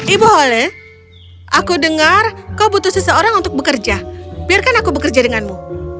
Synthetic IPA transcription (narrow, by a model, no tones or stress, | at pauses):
iboɦolɛ | ʔakudəŋarkawbut̪usəsəoɾaŋunt̪ʊk̚bəkərd͡ʒabiarkanakubəkərd͡ʒadəŋanmu